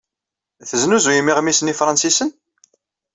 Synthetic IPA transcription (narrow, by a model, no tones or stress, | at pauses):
θəznuzujimːiʁmisənifɾˤɑnsisən